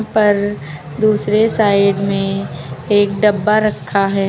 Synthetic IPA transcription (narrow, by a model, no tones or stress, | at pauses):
pɐɾ | d̪uːsɾesaːɪɖmẽeːk̚ɖɐbːaɾɐkʰːaɦɛː